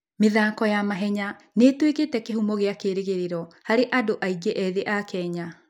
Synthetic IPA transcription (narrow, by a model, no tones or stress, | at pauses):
meðaːkɔjamaɦɛɲa | netweketɛkehumɔɣeakeɾeɣeɾeɾɔhaɾeʔadoʔaid͡ʒeʔɛðeʔakɛːɲa